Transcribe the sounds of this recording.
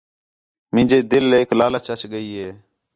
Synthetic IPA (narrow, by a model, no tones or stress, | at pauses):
mɪ̃ːd͡ʒeːd̪ɪlːeːklaːlət͡ʃət͡ʃɡəiːɦeː